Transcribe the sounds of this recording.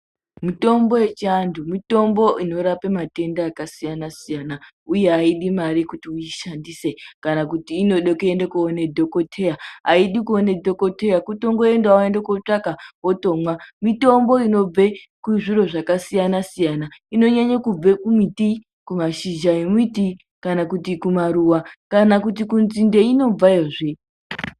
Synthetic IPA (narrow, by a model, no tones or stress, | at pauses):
mito̞mbo̞je̞t͡ʃiandumito̞mbo̞ʔino̞ɾapemate̞ndaːkasijanasijana | uje̞ɦaiɗimaɾikutiuiʃandise̞kanak̬utiːno̞ɗokeendekuone̞dʱoko̞tʰe̞jaaiɗikuone̞dʱo̞ko̞te̞jakuto̞ŋɡo̞e̞ndaaendekot͡ʂakaoto̞mwamito̞mbo̞ino̞b͡ve | kwuʐiɾo̞ʐakasijanasijanaino̞ɲaɲakub͡vekumiti | kumaʃid͡ʒaemiti | kanakutikumaɾuwakanakut̬ikunzinde̞ino̞b͡vajeʐe